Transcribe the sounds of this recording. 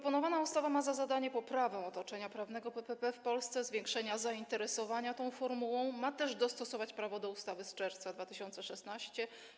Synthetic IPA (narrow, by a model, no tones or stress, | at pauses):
pɾɔpɔnɔvanaust̪avamazazad̪aɲɛpɔpɾavɛw̃ɔt̪ɔt͡ʂɛɲapɾavn̪ɛɡɔpɛpɛpɛfpɔlst̪sɛzvʲjeŋkʂɛɲazaint̪ɛɾɛsɔvaɲat̪ɔ̃w̃fɔɾmuwɔ̃w̃mat̪ɛʐd̪ɔst̪ɔsɔvat͡ɕpɾavɔd̪ɔust̪avɘst͡ʂɛɾft̪sad̪vat̪ɘɕɔnt̪sɛʂɛsnaɕt͡ɕɛ